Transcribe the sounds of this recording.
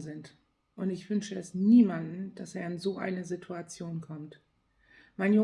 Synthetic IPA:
zɪnt | ʔʊntɪçv̥ʏnʃəɛsniːmandn̩d̥aseːɐɪnzoːʔa̰ɪnəzitʰuat͡sjoːnkʰɔmt | maɪnjo

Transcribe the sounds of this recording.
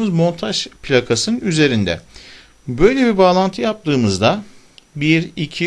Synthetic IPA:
mɯzmo̞nt̪ʰaʒpʰlʲakʰasɯnyze̞ɾind̪ɛ̰ | bø̞jlʲe̞bibaːlˠant̪ʰɯjap̚t̪ʰɯːmɯzd̪a | biɾicʰi

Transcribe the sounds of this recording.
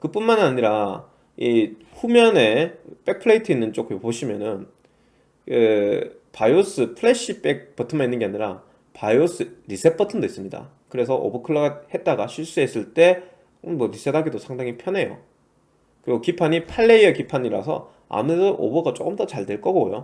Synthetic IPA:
kɯp͈unmanaɲiɾa | i | ɸumjʌne̞p͈ek̚pʰɯɭeitʰɯinːɯnt͡ɕ͈ok͈ʰɯmpoɕʰimjʌnɯn | kɯ | pajos͈ʰɯpʰɯɭe̞ɕ͈ip͈ek̚pʰʌtʰɯmainːɯnɡe̞aɲiɾa | pajos͈ʰɯɾisʰe̞pʰʌtʰɯndois͈ɯmɲida̰ | kɯɾe̞sʰʌʔo̰bukʰɯɭːʌɡahe̞t̚t͈aɡaɕʰiɭs͈ues͈ɯɭt͈e̞ | mwʌɾisʰedaɡidosʰaŋdaŋipʰjʌne̞jo̰ | kɯɾiɡokipʰaɲipʰaɭːe̞iʌkipʰaɲiɾa̰sʰʌ̰ | a̰mesʰʌʔo̰bʌɡat͡ɕ͈o̰k͈ɯmdʌt͡ɕaɭdwe̞ɭk͈ʌɡo̰jo̰

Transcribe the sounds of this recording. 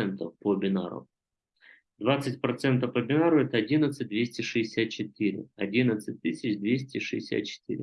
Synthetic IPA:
ɛnt̪əfpobʲɪna̰ɾʊ̰ | d̪vat̪sɨtʲpɾɐt̪sɛnt̪əfpəbʲɪnaɾʊɛt̪əɐdʲinət̪sɨt̚ʲd̪vʲesʲtʲɪʂɨɪsʲat̪̚t͡ɕɪt̪ɨɾʲɪ̰ɐdʲinət̪sɨt̚ʲt̪ːɨsʲɪt͡ɕd̪vʲesʲtʲɪʂɨ̰ɪsʲa̰t̪̚t͡ɕɪ̥t̪ɨ̰ɾʲɪ̰

